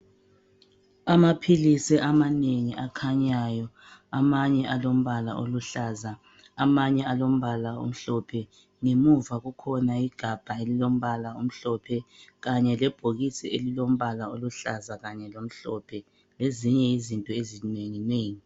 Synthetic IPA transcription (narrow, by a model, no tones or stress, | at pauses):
amapʰilisɛʔamaneŋiʔakʰaɲajɔ | amaɲɛʔalom̩βala̰ʔo̰luɬaza | amaɲɛalom̩βalaṵm̩ɬɔpʰɛ | ŋemuvaɣukʰɔnaiɡ̥ʱab̥ʱaelilom̩βalaum̩ɬɔpʰɛɣaɲɛlɛb̥ʱoɣitʰielilom̩βalaoluɬazaɣaɲɛlom̩ɬɔpʰɛ | leziɲɛizintʼɔezineŋineːŋi